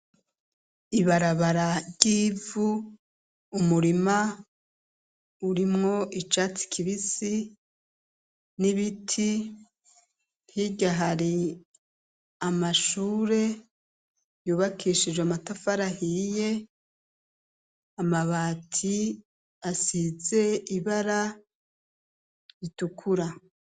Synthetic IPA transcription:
iβaɾaβaɾaɾɟiːvuː | muɾima | uɾimŋo̞ʔit͡ʃati̥kʰiβisi | niβitʰi | hiɟaɦaɾi | amaʃuːɾe̞ | juːβakʰiʃid͡ʒweamatafaɾahije̞ | amaβaːtʰi | asize̞iβaɾa | βitukʰuɾa

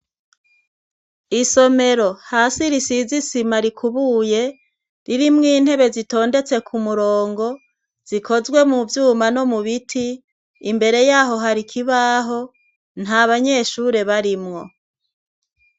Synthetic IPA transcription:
iso̞me̞ɾo̞haːsiɾisizisimaɾikʰuβuːje̞ | ɾiɾimŋiːn̥he̞βe̞zito̞ːnde̞t͡se̞kʰumuɾoːŋɡo̞ | z̥ikʰo̞zɡwe̞muvjuːmano̞muβitʰiː | mbe̞ɾe̞jaːɦo̞ɦaɾikʰiβaːɦo̞ | n̥haβaɲe̞ːʃuɾe̞βaɾimŋo̞

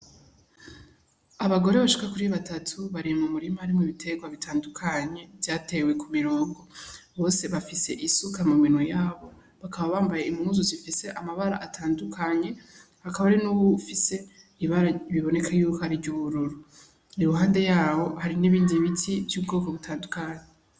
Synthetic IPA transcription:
aβaɡo̞ɾe̞βaʃi̥kakuɾiβatatʰuβaɾiemumuɾimaaɾimŋiβitʰe̞ɡwaβitʰaːndukʰaɲe̞vjaːtʰe̞we̞kumiɾoːŋɡo̞ | βo̞ːse̞βafise̞ʔisukamuminwojaːβo̞ | βakʰaβaβaːmbajeimuuzuzifise̞ʔamaβaɾa̰ʔatʰaːndukʰaɲe̞ | hakaβaaɾinuːβufise̞ | iβaɾaβiβo̞ne̞kʰajuːkohaɾivɟuβuɾuɾu | niɾuɦaːnde̞jaːβo̞haɾiniβiːndiβitʰivjuːb̚ɡo̞ːko̞βutʰaːndukaɲe

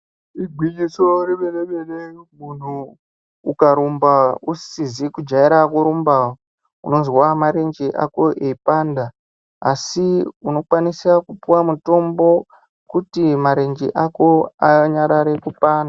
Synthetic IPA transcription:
iɡʱwid͡ʒisoɾeɓeleɓelemun̤uː | kaɾumbaussizikud͡ʒaiɾakuɾumbao | uno̞zwamaɾe̞nd͡ʒeʔa̰ko̞ʔeipaːnda | asiuno̞kwanisakupuwamuto̞mbo̞ | kutimaɾe̞nd͡ʒḛʔako̞aɲaɾaɾekupaːnda

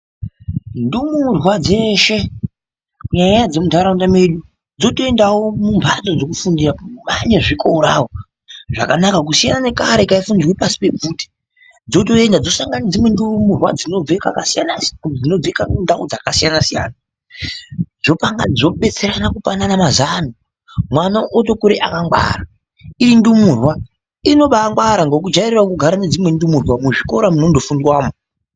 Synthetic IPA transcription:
ndumurwad͡ze̞ʃe̞ | kuɲaɲajad͡ze̞mudʱaɾaundame̞ɗu | d͡zo̞to̞e̞ndawomumbʰʱat͡sod͡zo̞kufundiramaɲeʐiko̞ɾawo | ʐakanakak̬usijanane̞kaɾe̞kaifundirwepasi̥pe̞b͡vuːti̥ | d͡zo̞to̞e̞ndad͡zo̞saŋɡanid͡zimwe̞ndumurwa̰d͡zino̞d͡zeka̰kaanad͡zino̞b͡vekandaud͡zakasijanasija̰ːna | d͡zo̞paŋɡa̰d͡zo̞ɓe̞t͡se̞ɾanakupa̰nanamazano | mwanaʔoto̞kuɾeʔakaŋɡwa̰ra | iɾindumurwa | ino̞ɓaŋɡwaɾaŋɡokud͡ʒaiɾirwakuɡʱaɾaned͡zimwe̞ndumurwamuʐiko̞ɾamuno̞ndo̞fundwaːmo

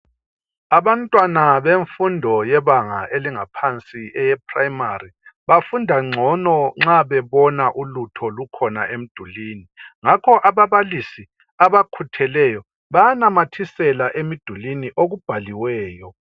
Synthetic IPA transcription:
aβantʼwanaβeɱfundʱɔjɛβaŋaʔeliŋapʰant͡sʼiɛjɛpʰraimariβafundʱaŋ͡ǀʱɔnɔŋ͡ǁaβɛβɔnaʔulutʰɔlukʰɔnaʔem̩d̥ʱuliːniŋakʰɔʔaβaβalisi | aβakʰutʰɛlɛjɔ | βajanamatʰisɛlaʔemid̥ʱuliniʔoɣub̥ʱaliwɛːjɔ

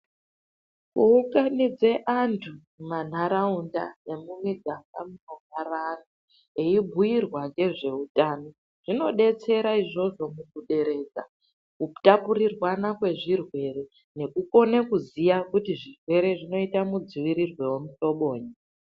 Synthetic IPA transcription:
kuuŋɡanid͡ze̞ʔantʰu | man̤aɾaunda̰ne̞mumiɡʱaŋɡamunoŋarano | eibʱujirwaŋɡe̞ʐe̞utaːno̞ | ʐ̥ino̞ɗe̞t͡se̞ɾaiʐo̞ʐo̞mukuɗe̞ɾe̞ːd͡za̰ | kutapuɾirwanakwe̞ʐirwe̞ɾe̞ | ne̞kuko̞nekuzijakutiʐirwe̞ɾe̞ʐino̞itamud͡ziʋiɾirwe̞wemuto̞ɓo̞ːɲi

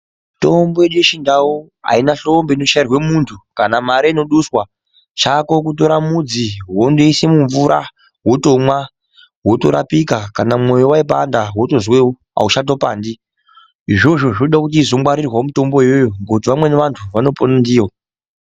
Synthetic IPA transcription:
mto̞mboeɗueʃindawu | a̰inaɬo̞mbe̞ino̞ʃairwemuntʰukanamaɾaino̞ɗuswa | t͡ʃako̞k̬uto̞ɾamud͡ziɦondeisemuɱvuɾʔa | wotomwa | wo̞toɾa̰pikakanamo̞jowaip̬a̰ndaɦwoto̞zweo | a̰uʃat̬o̞paːndi | iʐo̞ʐo̞ʐnoɗakut̬iːzo̞mwaɾirwamuto̞mbo̞jojoŋɡotiʋamwe̞neʋantʰuʋano̞ponandiːwo

